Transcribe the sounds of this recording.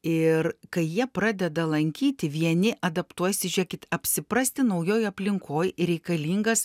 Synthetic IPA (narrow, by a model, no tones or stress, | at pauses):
ɪrkɐɪjiɛpɾɑːd̪ʲɛd̪ɐlˠɐŋʲkʲiːt̪ʲɪʋʲiɛnʲɪʔɐd̪ɐpt̪uɔjsʲɪʒʲɛːkʲɪt̪ɐpʲsʲɪpɾɐsʲt̪ʲɪnɐʊjoːjɐpʲlʲɪŋkʰoːjɾʲɛɪkɐlʲiːŋɡɐs